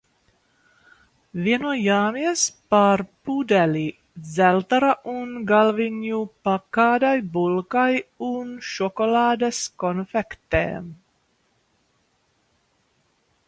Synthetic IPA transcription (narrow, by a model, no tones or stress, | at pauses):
viɛnujaːmiɛspaɾpud̪ɛlʲi | d̪zɛlt̪aɾaʔunɡalviɲupakaːd̪ajbulˠkajunʃɔkolɑːd̪eskɔnfɛkt̪ḛːm